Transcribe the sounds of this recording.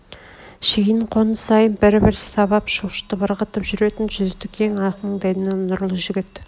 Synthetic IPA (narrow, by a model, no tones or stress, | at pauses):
ʃiɡʲinɪɴqʰonəsɑjənbɪɾbɪɾse̥t̪ʰɑbɑpʃoʃə̥t̪ːəbəɾqət̪əpʒʏɾe̞t̪ɪnʒʏzt̪ːɪkʲʰeŋɑqənəɴd̪æj̪ɪnenʊɾlˠəʒʏɡʲɪt̪